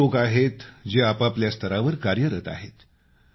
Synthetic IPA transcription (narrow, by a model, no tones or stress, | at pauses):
okaɦet̪d͡ʑeapapljast̪ʰəɾaʋəɾkaɾjəɾət̪a̰ɦet̪